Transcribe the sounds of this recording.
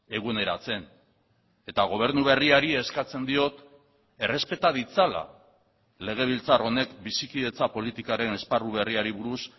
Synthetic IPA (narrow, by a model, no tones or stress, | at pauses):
e̞ɣ̞une̞ɾat͡se̞n | e̞t̪aɣ̞o̞β̞e̞ɾnuβ̞e̞riaɾie̞skat͡se̞nd̪io̞t̪ | e̞re̞spe̞t̪að̞it͡sala̰ | le̞ɣe̞β̞ilt͡saro̞ne̞kbisikiðe̞t͡sapo̞lit̪ikaɾe̞ne̞sparuβ̞e̞riaɾiβuɾus